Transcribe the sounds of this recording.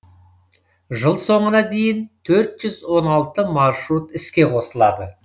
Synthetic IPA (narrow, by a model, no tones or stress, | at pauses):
ʒəlˠso̞ɴənɑd̪e̞jɪnt̪ʰɵɾt̪ʒ̥ʏzwo̞nɑlˠt̪əmɑɾʃɾut̪ɪskʲe̞qʰo̞səlˠɑd̪ə